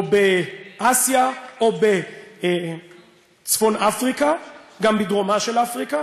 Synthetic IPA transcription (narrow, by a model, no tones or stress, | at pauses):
obeʔasjaobe | t͡sfo̞nafʁikaɡambid̪ʁomaʃelafʁika